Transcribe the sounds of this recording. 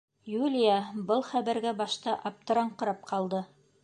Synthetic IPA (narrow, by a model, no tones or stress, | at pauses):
julʲɪjabɤlˠχæβæɾɡæbɑʃt̪ɑʔɑp̚t̪ŏɾɑɴqɤ̆ɾɑp̚qʰɑlˠd̪ɤ